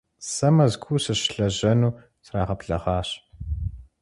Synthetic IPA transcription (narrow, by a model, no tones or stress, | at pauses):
sɐmɐzɡʷuːsɨɕɬɐʑɐnuː | sraːʁɐpɬɐ̰ʁɑːɕ